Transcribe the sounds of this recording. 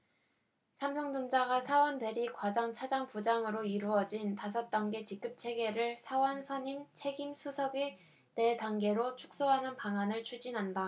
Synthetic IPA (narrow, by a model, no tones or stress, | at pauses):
sʰampʰjʌŋdond͡ʑaɡasʰawʌndwe̞ɾikwad͡ʑaŋt͡ɕʰad͡ʑaŋpud͡ʑaŋɯɾoiɾuʌd͡ʑintas̬ʰʌt̚t͈ʌnɡe̞t͡ɕik̚k͈ɯp̚t͡ɕʰe̞ɡe̞ɾɯɭsʰawʌnsʰʌɲimt͡ɕʰe̞ɡimsʰusʰʌɡi | ne̞daŋɡe̞ɾot͡ɕʰu̥k̚s͈oɦanɯnpaŋanɯɭt͡ɕʰud͡ʑinɦanda